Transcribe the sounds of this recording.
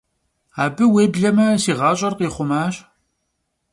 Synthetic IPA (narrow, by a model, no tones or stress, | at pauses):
aːbɨweːbɮɐmɐsiːʁɑːɕʼɐrqiːχʷʊmaːɕ